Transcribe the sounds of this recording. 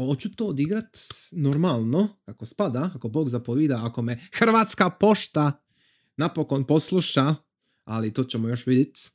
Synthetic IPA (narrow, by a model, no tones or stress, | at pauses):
ot͡ɕut̪oːd̪iɡɾat̪no̞ɾmalˠno̞akospad̪aakobo̞ːɡzapoʋiːd̪aako̞mexr̩ʋaːt̪skapo̞ʃt̪a | napoko̞npo̞slˠuʃa | alit̪oːt͡ɕemojo̞ʃʋid̪jet̪